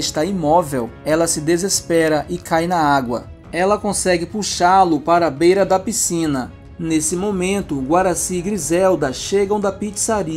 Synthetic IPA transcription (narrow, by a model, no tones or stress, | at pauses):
ɪʃt̪aimɔvewɛlɐsɪd̪ezespɛɾɐʔɪkʰajnɐaɡwɐ̰ | ɛlɐkõsɛɡɪpuʃalʊpaɾɐbejɾɐd̪ɐpisĩnɐ | nesɪmomẽnt̪ʊɡwaɾasiɡɾizɛwd̪ɐʃeɡɐ̃w̃d̪ɐpit͡ʃi̥saɾi